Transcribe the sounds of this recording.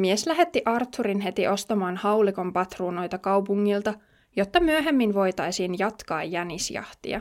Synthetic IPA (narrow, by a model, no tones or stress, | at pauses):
mieslæɦe̞t̪ːiʔɑrt̪ːuɾinɦe̞t̪iʔo̞st̪ɑmɑːnhɑwliko̞mpɑt̪ruːno̞jt̪ɑkɑwpuŋːilt̪ɑ | jo̞t̪ːɑmyøɦe̞mːinʋo̞jt̪ɑjsinjɑt̪kɑ̰ːjːænisjɑ̰ht̪ḭɑ̰